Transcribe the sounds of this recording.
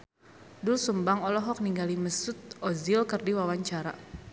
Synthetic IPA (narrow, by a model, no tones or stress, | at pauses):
dulsumbaŋɔlɔɦɔk̚niŋɡaliməsut̪̚ɔzilkərdiwawaɲt͡ʃaɾa̰